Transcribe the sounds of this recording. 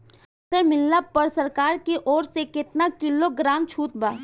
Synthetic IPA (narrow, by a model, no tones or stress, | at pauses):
t̪əɾmɪlːapəɾsəɾkaːɾkeʔɔːɾsekɪt̪nakɪloɡɾaːmt͡ʃʰuːt̪̚baː